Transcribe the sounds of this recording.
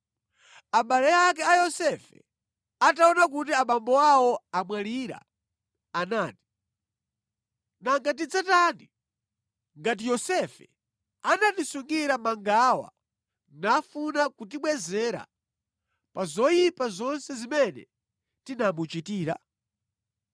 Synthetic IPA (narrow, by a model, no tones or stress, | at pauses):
aɓalɛjak̬ɛajɔsɛfɛ̰ | ataɔnakut̬iaɓambɔawɔamwaliɾa̰ː | naːti̥ | naŋɡat̬id͡zataːni | ŋɡat̬ijɔsɛfɛ | anatisuŋɡiɾamaŋɡawa̰ | nafunakut̬iɓwɛzɛɾa̰ | pazɔjipazɔnsɛzimɛnɛ̰ | tinamut͡ʃitiːɾa̰